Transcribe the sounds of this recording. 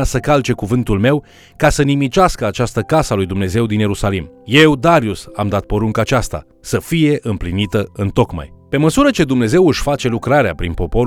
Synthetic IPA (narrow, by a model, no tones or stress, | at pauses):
asəkalt͡ʃe̞kuvɨnt̪ulme̞w | kasənimit͡ʃaskəat͡ʃast̪əkasalujd̪umne̞ze̞wd̪inje̞usalimje̞wd̪aɾiusa̰md̪at̪̚po̞ɾuŋkəːt͡ʃast̪a̰ | səfije̞ʔɨmplinit̪əɨnt̪o̞kma̰jpe̞məsuɾət͡ʃe̞d̪umne̞ze̞wɨʃʲfat͡ʃe̞lukɾaɾea̰pɾinpo̞po̞